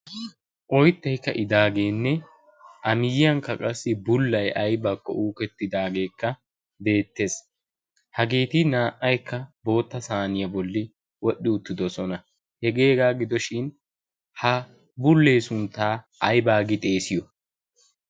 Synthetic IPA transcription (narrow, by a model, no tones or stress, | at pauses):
ʔɔjt̪ːɛjkːɐ̰ʔɪd̪aːɡe̞ːnːɛ | ʔɐmɪjɪɐŋkːɐkʼɐsːɪbʊlːɐjɐjbakːɔ̰ʔuːkɛt̪ːɪd̪aːɡe̞ːkːɐ | be̞ːt̪ːe̞ːs | hɐɡeːt̪ɪnaːʔɐjkːɐbo̞ːt̪ːɐsaːnɪjɐbɔlːɪ | wɔɗːɪʊt̪ːɪd̪ɔsɔnɐ | hɛɡeːɡaːɡɪd̪ɔʃɪn | hɐ | bʊlːe̞ːsʊnt̪aː | ɐjbaːɡɪt̪ʼe̞ːsɪjɔ